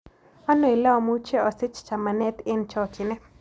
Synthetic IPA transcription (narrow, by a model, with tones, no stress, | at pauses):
a˦no˨e˨la˦ɔ˨mu˦t͡ʃɛ˦ɔ˨sɪ˦t͡ʃt͡ʃa˨ma˨nɛ˦t̪ɪ˦nt͡ʃɔ˦t͡ʃɪ˨nɛ˦